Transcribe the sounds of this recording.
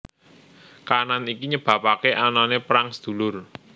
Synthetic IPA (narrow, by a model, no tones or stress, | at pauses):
kananikiɲəb̥ä̤pakeʔananepɾaŋsd̪̥ṳlʊr